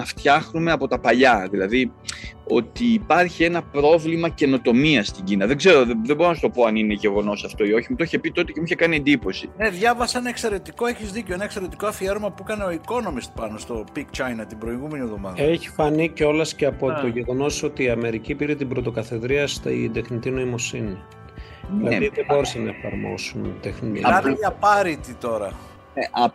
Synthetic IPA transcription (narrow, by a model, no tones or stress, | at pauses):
nɐft̪çɐxnume̞ɐpo̞t̪ɐpɐʎɐðilɐðio̞t̪iːpɐɾçie̞nɐpɾo̞vlimɐce̞no̞t̪o̞miɐst̪iɲɟinɐðe̞ɡze̞ɾo̞ðeðeboonɐst̪o̞po̞ɐnine̞ʝe̞ɣo̞no̞sɐft̪o̞io̞çimut̪oçepit̪o̞t̪ecemuçekɐnie̞nd̪ipo̞sineðʝɐvɐsenɐekse̞ɾe̞t̪iko̞e̞çizðiceenɐekse̞ɾe̞t̪iko̞ɐfieɾomɐpuekɐneo̞iko̞no̞mist̪̚pɐnost̪o̞pikt͡ʃɐjnɐt̪ibɾo̞iɣume̞nie̞vðo̞mɐðe̞çi̥fɐniceo̞lɐsceɐpooʝe̞ɣo̞no̞so̞t̪iːɐme̞ɾicipiɾet̪ibɾo̞t̪o̞kɐθe̞ðɾiɐst̪d̪e̞xnit̪ino̞imo̞sini | ðilɐðiðebo̞ɾesenɐe̞fɐ̰ɾmo̞̰sunt̪exnit̪iɐeʝɐpɐɾit̪it̪o̞ɾɐ | neʔɐ